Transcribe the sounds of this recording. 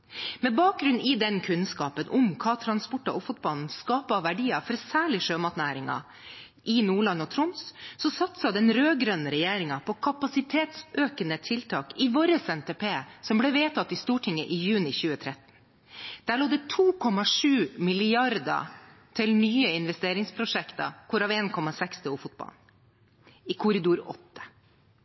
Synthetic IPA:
mɛbɑːk̚ɡɾʉnɪd̪ɛnkʰʉnskɑːpənʔʊmkʰɑːt̪ʰɾɑnspɔʈːɑʔɔfʊt̪̚bɑln̩skɑːpəɑʋʋæɖiːɑfɔɾsæːɭɪʂøːmɑt̪næːɾɪŋɑ̰ | ʔɪnuːɭɑnːɔt̪ʰɾʊmssɔsɑt̪sɑd̪ɛnɾøːɡɾœnəɾɛjeːɾɪŋɑpʰɔkʰɑpɑsɪt̪ʰeːt̪søːkənət̪ʰɪlt̪ʰɑːkɪʋoːɾəsɛnt̪epeːsɔmbleːʋeːt̪ʰɑt̪ːɪst̪uːʈʰɪŋːəʔɪjʉːnɪçʉːət̪ʰɾɛt̪n̩ | d̪̥æːɭoːd̪ɛt̪ʰuːkʰɔmɑʂʉːmɪlɪɑɾd̪ɑ̰ | t̪ʰɪlnyːəɪnʋɛst̪eːɾɪŋspʰɾʊʂɛkt̪ɑ̰kʰɔɾɑːʋeːnkʰɔmɑsɛkst̪ʰɛʊfʊt̪̚bɑ̰ln | ɪkʰʊɾɪd̪uːɾɔ̰t̪ːə̥

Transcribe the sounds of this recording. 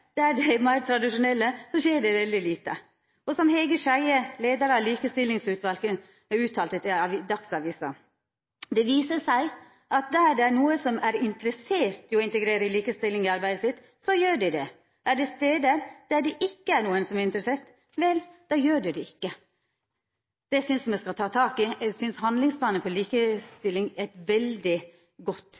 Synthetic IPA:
d̪̥ææɖɛmæɪɾt̪ʰɾɑd̪ɪʂʊnɛlːəsɔʃeːɖɛʋɛld̪ɪliːt̪ə̰ | ɔsɔmhɛːɡəʂæɪəleːd̪əɾɑliːkəst̪ɪlːɪŋsʉːt̪ʋɑlkəŋ | æʉːt̪ʰɑːlt̪ət̪ɪʋd̪ɑksɑʋiːsɑ̰ | d̪ɛʋiːsəʂæɪ | ʔɑt̪̚d̪æɖɛænuːəsɔmæɾɪnt̪əɾəseːɾt̪ɪɔɪnt̪əɡɾeːɾəɪliːkəst̪ɪlːɪŋɪɑɾbæɪd̪əsɪt̪ː | sɔjøːɖɪd̪ɛ | ʔæɖɛst̪eːd̪əɾd̪̥æɖɛʔɪkːəæɾɳuːənsɔmæɾɪnt̪ɾəseːɾt̪ | ʋɛld̪̥ɑːjøːɖɛd̪ɛɪkːə | d̪̥ɛɪsʏnsmɛskɑlt̪ʰɑːt̪ʰɑːkɪsʏnshɑnd̪lɪŋspʰlɑːnənfɔɭiːkəst̪ɪlːɪŋæt̪ʋɛld̪ɪ | ɡɔt̪ː

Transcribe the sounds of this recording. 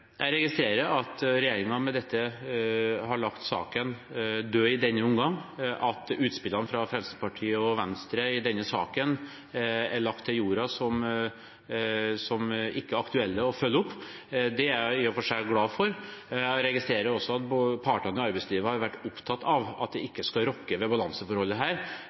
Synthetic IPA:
jæɪɾɛɡɪst̪ɾeːɾəɾɑt̪ɾɛjeːɾɪŋɑmɛd̪ɛt̪ʰːə | hɑɭɑkt̪sɑ̰ːkənd̪øːɪd̪ɛnːəʊmɡɑŋʔɑt̪ʉːt̪spɪlːɑnfɾɑfɾɛlsəpɑʈʰiːəɔʋɛnst̪ɾəɪd̪ɛnːəsɑ̰ːkən | æɭɑk̚t̪ʰːɪljuːɾɑsɔm | sɔmʔɪkːəɾɑkt̪ʉɛlːəɔfœlːəʊpː | d̪ɛæɾɪɔfɔʂæːɭɡlɑːfɔɾɾɛɡɪst̪ɾeːɾəɾɔsːɔɑt̪bpʰɑːʈənəɔɑɾbɛɪsliːʋəhɑɾʋæʈːʊpt̪ʰɑt̪ːɑʋɑ̰t̪̚d̪ɛɪkːəskɑɾɔkːəʋɛbɑlɑŋsəfɔɾhɔlːəɦæːɾ

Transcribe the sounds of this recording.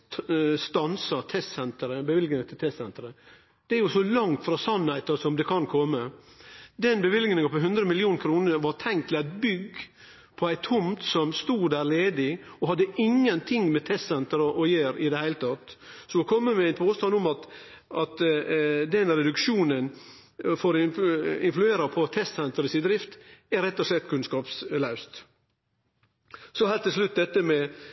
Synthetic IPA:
st̪ɑnsɑt̪ʰɛst̪sɛnt̪əɾəbəʋɪlɡnɪŋɑt̪ʰɪlt̪ʰɛstsɛnt̪əɾə | d̪̥ɛæɾjʊsɔlɑŋt̪fɾɑsɑnhæɪt̪əsɔmd̪ɛkʰɑnkʰɔmːə | d̪ɛnbəʋɪlɡnɪŋɑpɔɦʉnd̪ɾəmɪlɪuːnəkʰɾuːnəɾʋɑɾt̪ʰɛŋkt̪ʰlæɪt̪bʏɡ | pʰɔæɪt̪ʰʊmt̪sɔmst̪uːd̪æːɾleːd̪ɪɔɦɑd̪ːəʔɪŋːənt̪ʰɪŋːmɛt̪ʰɛst̪sɛnt̪əɾəʔɔjeːɾɪd̪ɛhæɪlət̪ʰɑt̪sɔɔkʰɔmːəmɛæɪnpʰoːst̪ɑnʊmɑt̪ | ʔɑt̪ | d̪ɛnɾɛd̪ʉkʃuːnən | foːɾɪnflʉeːɾɑpʰɔt̪ʰɛst̪sɛnt̪əɾəsɪd̪ɾɪft̪æɾɛt̪ːɔslɛt̪ːkʰʉnskɑːpslɑʉst̪ | sɔhɛlt̪ːɪslʉt̪̚d̪ɛt̪ːəmɛ

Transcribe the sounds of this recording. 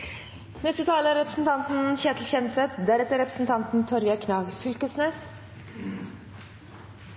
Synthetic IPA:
nɛst̪ət̪ʰɑːləɾɛpɾəsn̩t̪ʰɑnt̪n̩ɕɛt̪l̩ɕɛnsɛt̪d̪æɾɛt̪ːəɾɛpɾəsn̩t̪ʰɑnt̪n̩t̪ʰɔɾjɑkʰnɑːɡfʏlkəsneːs

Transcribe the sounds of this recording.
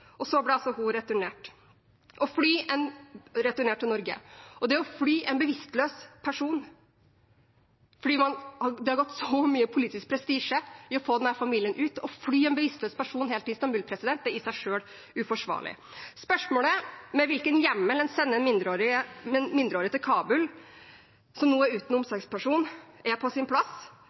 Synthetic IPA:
ɔsɔblɛɑlsɔɦʊɾɛt̪ʉɳeːʈ | ʔɔflyːɛnɾɛt̪ʉɳeːʈʰːɪlnɔɾɡə̰ɔd̪ɛæɔflyːʔɛnbəʋɪst̪løːspʰæʂuːn | fɔɖiːmɑnhɑd̪ɛhɑɾɡɔt̪ːsɔmyːəpʰʊliːt̪ɪsk̚pʰɾɛst̪iːʂəɪɔfoːd̪ɛnhæːɾfɑmiːlɪənʔʉːt̪ɔflyːɛnbəʋɪst̪løːspæʂuːnɦeːlɪɪst̪ɑmbʉːlpʰɾɛsɪd̪ɛnt̪̚d̪ɛɾɪsæɪʂøːl | ʉfɔʂʋɑ̰ːɭɪ̰spœʂmoːləmɛʋɪlkənjɛmːəlɛnsɛnːəɛnmɪnd̪ɾoːɾɪmɪnd̪ɾəoːɾɪət̪ɪlkʰɑːbʉl | sɔmnuːæʉːt̪n̩ʊmsɑɡspʰæʂuːnæpʰɔsɪnpʰlɑs

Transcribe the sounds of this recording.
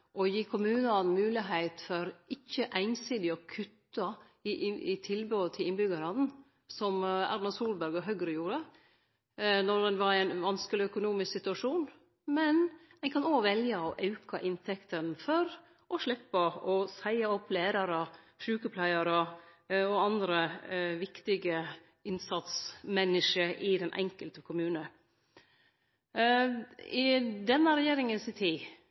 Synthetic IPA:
ʔɔjiːkʰʊmʉːnɑnmʉːlɪɦæɪt̪fɔɾɪçːəʔæɪnsiːd̪ɪɔkʰʉt̪ːɑ | ɪʔɪt̪ʰɪlbøːət̪ʰɪlɪnbʏɡɑɾɑnn̩ | sɔmæ̰ɾnɑsuːlbæɾɡɔɦœɡɾəjuːɾə | nɔɾd̪ɛnʋɑɾæɪnʋɑnskəlɪœkʊnuːmɪsksɪt̪ʉɑʂuːn | mɛnɛɪkʰɑnoːɡʋɛljɑɔʔɑʉkʰɑʔɪnt̪ʰɛkt̪ənfɔɾ | ʔɔʂɭɪpːəɔsæɪɑɔpːleːɾɑɾə | ʂʉːkəpʰlæɪɑɾə | ɔɑnd̪ɾəʋɪkt̪ɪɡə | ɪnsɑt̪smɛnːɪʂəʔɪd̪ɛnʔɛ̰ŋkəlt̪əkʰʊmʉːnə | ɪd̪ɛnːəɾɛjeːɾɪŋənsɪt̪ʰiː

